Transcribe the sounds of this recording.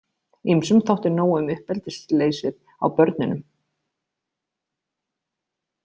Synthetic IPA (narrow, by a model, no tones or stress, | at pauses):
imsʏmθowht̪ɪnoːwʏmʏhpɛlt̪ɪsleːjsɪð | a̰wpœɾt̪nʏnʏm